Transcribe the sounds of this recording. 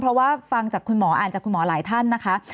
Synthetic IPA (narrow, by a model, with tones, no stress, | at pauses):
pʰɾɔ˦˥waː˥˩fa˧ŋt͡ɕaː˨˩kʰu˧nmɔː˩˦ʔaː˨˩nt͡ɕaː˨˩kʰːu˧mɔː˩˦laː˩˦jt̪ʰa˥˩nːa˦˥kʰa˦˥